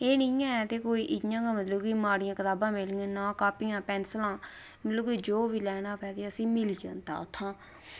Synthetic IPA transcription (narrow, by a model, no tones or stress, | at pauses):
eːnĩːãːɛt̪eːkoːiːʔɪjãːɡãːmət̪ləbkiːmaːɽɪjãːkət̪aːbãːmɪlŋɡeːnaːkaːpiːãːpɛːnslãː | mət̪ləbiːd͡ʒoːʋiːlɛːnaːpɛːd̪eːəsĩːmɪliːã̰ːt̪a̰ːʊt̪ʰːãː